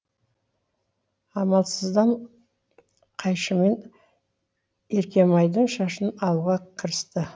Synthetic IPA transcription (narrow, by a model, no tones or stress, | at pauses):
ɑmɑlˠsəzd̪ɑɴ | qʰɑjʃəme̞ɴ | e̞ɾkʲe̞mɑjd̪əɴʃɑʃənɑlˠuʁɑkʲʰəɾəst̪ə